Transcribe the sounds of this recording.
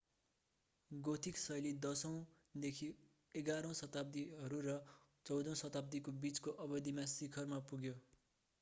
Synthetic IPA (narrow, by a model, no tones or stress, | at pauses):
ɡot̪ʰiksʌjlid̪ʌsʌ̃w̃ | d̪ekʰi | eɡaɾʌ̃w̃sʌt̪ab̚d̪iɦʌɾuɾʌ | t͡sʌwd̪ʌ̃w̃sʌt̪ab̚d̪ikobit͡skoʔʌbʌd̪imasikʰʌrmapuɡjo